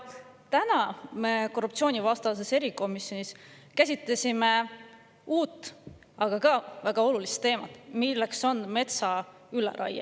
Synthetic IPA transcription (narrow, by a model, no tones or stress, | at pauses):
t̪ænɑme̞ko̞rup̚t̪sio̞ːnʲivɑst̪ɑs̬e̞se̞ɾiko̞misjo̞nʲiskæsʲit̪ˑlesʲime̞ | uːt̪ːˑ | ɑɡ̥ɑkɑvæɡ̥ɑo̞lulist̪ːe̞ːmɑt̪ːˑmilːekso̞nme̞t̪sɑ | ylḛɾʔɑ̰jɑ̰